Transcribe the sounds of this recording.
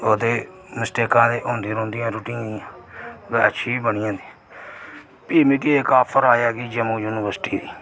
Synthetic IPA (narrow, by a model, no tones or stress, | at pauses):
oːd̪eːməsʈeːkãːd̪eːʔõːnd̪iːɾõːnd̪ijãːɾuːʈĩːd̪iãːʋɛːətːʃʰiːbəɳiãːd̪i | piːmikːeːkaːpʰəɾaːjaːɡiːd͡ʒəmõːjuːnɪʋəɾsʈiːd̪iː